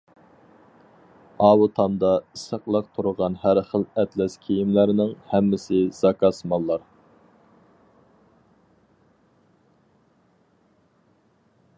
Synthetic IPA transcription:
ɑːwut̪ʰɑmd̪ɑisəqlˠɑq̚t̪ʰuɾʊʁɑnɦæɾχəlɛt̪lɛskʲʰijimlæɾnɪŋhɛmːɪsɪz̥ɑkʰɑsmɑlˠːɑɾ

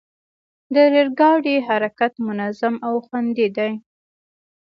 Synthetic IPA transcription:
d̪əɾeɾɡɑɽiɦaɾakat̪mʊnazamawxwand̪id̪aj

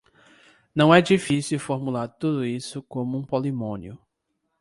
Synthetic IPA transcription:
nɐ̃w̃ɛd͡ʒifisiwfoɾmulaɾt̪ud̪ʊisʊkõmʊũpolimõnjʊ

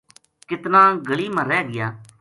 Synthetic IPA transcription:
kɪt̪nãːɡəɭiːməɾɛːɡɪjaː

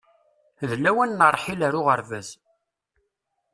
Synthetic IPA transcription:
ðlæwænːərˤːħilæɾʊʁəɾvæz

